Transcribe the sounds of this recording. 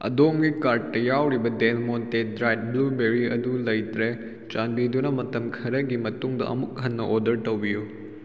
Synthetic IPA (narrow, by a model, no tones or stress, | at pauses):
ɐ̰domɡikaɾd̚tːɐjawɾibɐdenmontedɾajt̚blubeɾiɐ̰dulɐjtɾe | t͡ʃanbidunɐmɐtɐmkʰɐɾɐɡimɐtuŋdɐ̰ʔɐ̰muk̚ɦɐnːɐʔodɐɾtɐwbiju